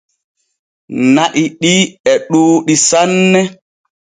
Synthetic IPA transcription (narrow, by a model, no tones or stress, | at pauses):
naʔiɗiɛɗuːɗisanːɛ